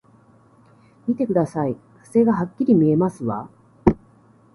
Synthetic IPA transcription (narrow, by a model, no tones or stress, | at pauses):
mʲit̪e̞kɯ̟d̪asai | ḁse̞ːɡaɦakʲːiɾʲimʲie̞masɨβa̰